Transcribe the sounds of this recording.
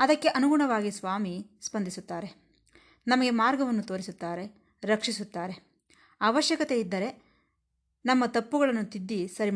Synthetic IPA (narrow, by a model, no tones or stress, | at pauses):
ɐd̪ɐkːe̞ʔɐnuɡuɳɐʋaːɡisʋaːmispɐnd̪isut̪ːaːɾe̞ | nɐmɐɡe̞maːɾɡɐʋɐnːut̪o̞ːɾisut̪ːaːɾe̞ | ɾɐkʂisut̪ːaːɾe̞ | ɐʋɐʃjɐkɐt̪e̞id̪ːɐɾe̞ | nɐmːɐt̪ɐpːuɡɐɭɐnːut̪id̪ːisɐɾi